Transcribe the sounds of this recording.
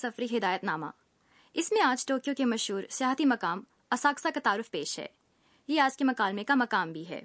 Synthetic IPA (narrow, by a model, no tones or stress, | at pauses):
sɐfɾiɦɪd̪aːjət̪naːma̰ː | ɪsmẽaːd͡ʒʈoːkijõkemɐʃɦuːɾsjaːɦt̪imɐkaːm | ɐsaːksakat̪aːɾʊfpeːʃɦɛ̰ː | jeaːd͡ʒkemɐkaːlmẽkamɐkaːmbʱiɦɛ̰ː